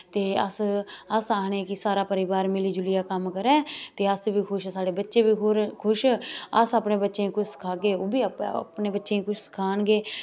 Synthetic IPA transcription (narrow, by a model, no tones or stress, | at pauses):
t̪eːəsəsaːnẽːkɪsaːɾaːpəɾɪbaːɾmɪliːd͡ʒʊlɪjaːkəmkəɾɛ̃ːt̪eːəsbiːkʰʊʃsaːɽeːbətːʃeːbiːɦoːɾkʰʊʃəsaːpneːbətːʃeːĩːkʊt͡ʃʰsə̥kʰaːɡeːoːbiːpneːbətːʃẽːĩːkʊt͡ʃʰsə̥kʰaːnɡeː